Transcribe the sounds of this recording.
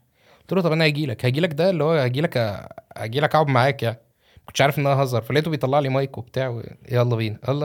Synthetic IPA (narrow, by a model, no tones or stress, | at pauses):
t̪uːlot̪ˤɑbʔænæhæɡiːlækhæɡiːlækd̪æelːihowːæhæɡiːlækæ̰hæ̰ɡiːlækʔaʕobmaʕaːkjaʕni | mæ̥konʃʕaɾefʔenːʔææɦɑzˤɑɾˤfælːet̪ubejt̪ˤɑlːɑʕliːmæjkwebet̪aːʕwḛæʔɑlˤːɑbiːniʔɑlːˤ